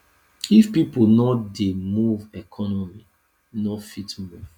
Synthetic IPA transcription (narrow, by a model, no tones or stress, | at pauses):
ifpiponɔdemuvɛkʰɔnɔmi | nɔfitmuv̥